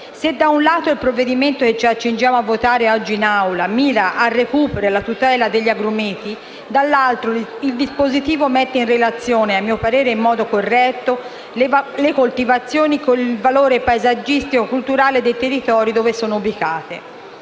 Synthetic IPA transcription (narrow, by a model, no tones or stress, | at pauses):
sed̪ːaunlaːt̪oilpɾovːed̪iment̪oket͡ʃːiat͡ʃːind͡ʒjaːmoavːot̪aːɾeɔd͡ʒːiːnawlamiːɾaʔarːekuːpeɾelat̪ut̪ɛːlad̪eʎːiaɡɾumiːt̪i | d̪alːalt̪ɾoild̪ispozit̪iːvomet̪ːeinrelat̪sːjoːneamːiːopaɾeːɾeimːɔːd̪okorːɛt̪ːo | lekolt̪ivat̪sːjoːnikonilvaloːɾepaezad͡ʒːist̪ikokult̪uɾaːled̪ejt̪erːit̪ɔːɾid̪oːvesoːnoubikaːt̪ḛ